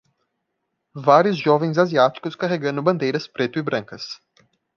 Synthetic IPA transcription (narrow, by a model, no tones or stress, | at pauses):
vaɾjʊzʒɔvẽj̃zaziat͡ʃi̥kʊskaɦeɡɐ̃nd̪ʊbɐ̃nd̪ejɾɐspɾet̪ʊibɾɐ̃ŋkɐs